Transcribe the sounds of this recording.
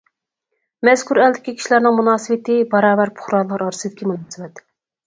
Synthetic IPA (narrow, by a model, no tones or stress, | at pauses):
mɛskʰuɾɛld̪ɪkʲikʲʰi̥ʃilæɾnɪŋmunɑːsɨwɪt̪ɪbɑɾɑːbæɾpʰʊ̥χɾɑlˠɑɾɑɾɨsɨd̪ɪkʲimunɑːsɨwɛt̪